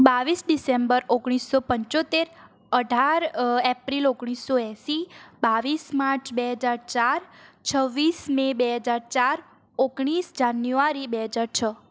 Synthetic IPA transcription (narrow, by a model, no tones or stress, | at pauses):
baʋisɖisembəɾoɡɽ̃isːopəɲt͡ʃot̪eɾ | əɖʱaɾɛpɾiloɡɽ̃isːoɛ̃sibaʋismaɾt͡ʃʰbeɦəd͡ʒaɾt͡ʃaɾt͡ʃʰəʋːismebeɦəd͡ʒaɾt͡ʃaɾ | oɡɽ̃isd͡ʒanjuaɾibeɦəd͡ʒaɾt͡ʃʰə